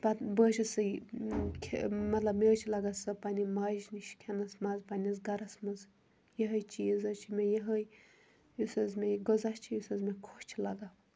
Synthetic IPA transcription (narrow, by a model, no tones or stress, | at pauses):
pat̪bəːʃɐsɨjkʰemɐt̪lɐbmet͡ʃʰilɐɡasɐpanʲimaːʒniʃkʲʰenɐsmazpanʲɐzɡɐɾɐsmɐz | jeɦəjt͡ʃijizɐt͡ʃʰimejeɦəj | jusɐzmeɡozat͡ʃʰijusɐzmekʰot͡ʃʰilɐɡa